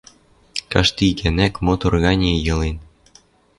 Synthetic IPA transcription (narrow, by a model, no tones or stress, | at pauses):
kɑʃt̪ikænækmot̪urɣɑnʲijɤ̆len